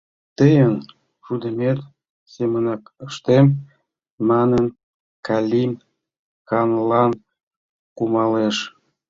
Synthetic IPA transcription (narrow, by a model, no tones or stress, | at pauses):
t̪əjən | ʃud̪əmet̪ | semənɑkəʃt̪emː | ɑnən | kɑlʲim | kɑnlɑn | kumɑleʃ